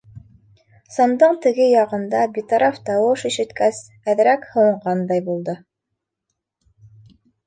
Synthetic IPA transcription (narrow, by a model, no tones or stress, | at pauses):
sɑnd̪ɤɴt̪ɘ̆ɡɘjɑʁɤ̆nd̪ɑbit̪ɑɾʔɑft̪ɑwɤʃiʃɘ̆t̪kæs | æðɘ̆ɾækhɤ̆wɤ̆ɴʁɑnd̪ɑjbulˠd̪ɤ